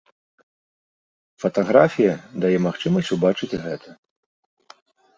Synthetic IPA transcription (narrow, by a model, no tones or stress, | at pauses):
fɐt̪aɣɾafʲijɐd̪ajɛmaxt͡ʂɨmɐsʲt͡sʲubat͡ʂɨt͡sʲɣɛt̪ʰɐ